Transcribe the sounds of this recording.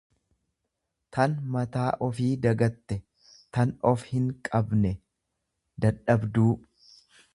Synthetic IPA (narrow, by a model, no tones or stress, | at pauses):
t̪ɐnmɐt̪aːʔɔfiːd̪ɐɡɐt̪ːɛ | t̪ɐnɔfhɪŋkʼɐbnɛ | d̪ɐᶑɐbd̪uː